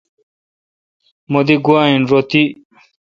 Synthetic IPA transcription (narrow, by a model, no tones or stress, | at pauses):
mod̪iɡuaːinɾot̪i